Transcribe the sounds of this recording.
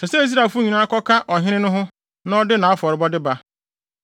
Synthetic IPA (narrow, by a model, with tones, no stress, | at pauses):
sʰɛ˨sɛ˦i˦s̬ɾa˨fʊ˦ɲĩ˨nã˦kɔ˦kʰa˦ʔɔ˨ɦɪ̃˦nɪ̃˦nʊ̃˦ɦʊ̃˦ | nã˦ɔ˦dɪ˦nã˨a˦fɔ˨ɾɪ˨bɔ˦dɪ˦ba˦